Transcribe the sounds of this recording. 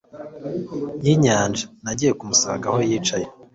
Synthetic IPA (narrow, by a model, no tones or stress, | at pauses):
jiɲaːnd͡ʒḁnaɟiːje̞kumusa̰ŋɡaho̞jiːt͡ʃaje